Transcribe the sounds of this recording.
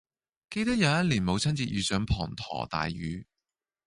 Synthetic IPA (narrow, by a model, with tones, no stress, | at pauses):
ke˧jt̪ɐ˥k̚jɐ˨˧wjɐ˥t̚liː˨˩nmo˨˧wt͡sʰɐ˥nt͡siː˧jyː˨˧sœː˨˥ŋpʰɔː˨˩ŋt̪ʰɔ̰ː˨˩t̪a̰ː˨jːyː˨˧˥